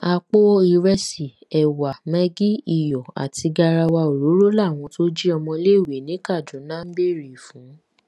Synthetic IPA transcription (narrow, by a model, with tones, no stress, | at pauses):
a˧k͡po˦i˧ɾɛ˧si˨ | ɛ˨wa˨mɛ̃˦ɡi˦i˦˨jɔ˨a̰˨ti˧ɡa˧ɾa˧wa˧o˨ɾo˨˦ɾo˦la˦˨w̃ɔ̃˧to˦d͡ʒi˦ɔ˧mɔ̃˧le˦˨we˨˦nĩ˨˦ka˦˨d͡ʒũ˨˦nã˦m̩˦be˦˨ɾi˨fũ˨˦